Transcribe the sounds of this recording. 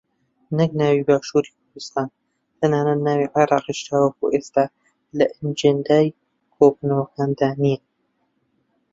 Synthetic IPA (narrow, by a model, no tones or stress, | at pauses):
nɨk̚naːwiːbaːʃuːɾiːk̚ʰʊɾd̪ɨst̪aːn | t̪ʰɐnaːnɐt̪̚naːwiʕeɾˤɑːqiʃt̪aːwɐkuʔest̪aː | lɐʔɨnd͡ʒend̪aːj | kʰoːbunɐwɐkaːnd̪aːnijɛ